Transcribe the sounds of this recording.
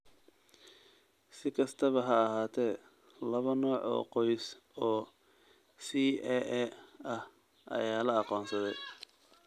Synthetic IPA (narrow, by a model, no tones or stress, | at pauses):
sɪkʰɐst̪ʰɐβɐɦɐːɦaːt̪ʰɛː | lɐβɐnɔːʕɔ̰ːqɔjs | ɔː | siʔɛʔɛɐh | ʔɐ̰jaːlɐɑqɔːnsɐðɛj